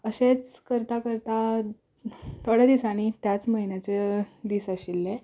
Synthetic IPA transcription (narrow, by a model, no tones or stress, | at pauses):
əɕet͡skəɾt̪akəɾt̪a | t̪ʰoɽ̤jad̪isaɽ̃it̪jat͡sməɦinjat͡sed̪iːsaɕilːe